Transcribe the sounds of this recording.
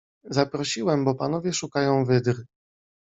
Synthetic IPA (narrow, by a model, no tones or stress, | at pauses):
zapɾɔɕiwɛmbɔpan̪ɔvʲjɛʂukajɔ̃w̃vɘd̪ɾ